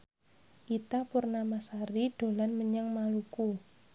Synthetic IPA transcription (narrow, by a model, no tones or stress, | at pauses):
ʔit̪apurnamasaɾiɖ̥o̤lanməɲaŋmaluku